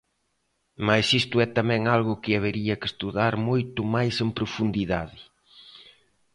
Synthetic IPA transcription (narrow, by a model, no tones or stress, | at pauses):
majsist̪ʊɛt̪amɛ̃ŋalɣʊkɪaβeɾiɐkɪst̪uðaɾmojt̪ʊmajsempɾʊfund̪iðaðɪ